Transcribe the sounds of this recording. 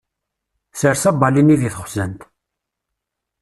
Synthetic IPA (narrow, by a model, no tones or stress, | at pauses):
səɾsæbɑliniðiθəχʷzænt̪